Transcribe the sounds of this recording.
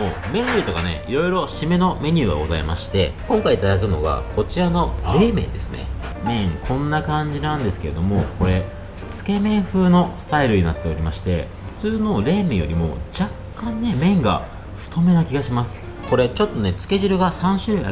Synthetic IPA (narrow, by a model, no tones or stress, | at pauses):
moːmẽ̞ɾɾɯit̪o̞kane̞̰iɾo̞iɾo̞ɕime̞no̞me̞ɲ̟ʲɨːɡa̰ɡo̞za̰imaɕi̥t̪e̞kõ̞ŋkaiːt̪ad̪akɯ̟no̞̰ɡa̰ko̞t͡ɕiɾano̞ɾe̞ːmẽ̞̰nd̪e̞sɨne̞̰ | mẽ̞ŋkʰõ̞nːakãɲ̟d͡ʑinãnd̪e̞sɨ̥ke̞ɾe̞d̪o̞mo̞ko̞ɾe̞ | t͡sɨ̥ke̞mẽ̞ɰ̃ɸɯ̟ːno̞st̪aiɾɯ̟ɲ̟inat̪ːe̞o̞ɾʲimaɕi̥t̪e̞̰ɸɯ̟̥t͡sɨːno̞ɾe̞ːmẽ̞ɰ̃jo̞ɾʲimo̞̰d͡ʑakːãnːe̞mẽ̞ŋɡa̰ | ɸɯ̥t̪o̞me̞nakʲiɡaɕimasɨ̥ | ko̞ɾe̞t͡ɕo̞t̪ːo̞ne̞t͡sɨ̥ke̞ʑɨɾɯ̟ɡasãɰ̃ɕɨːmḛ̃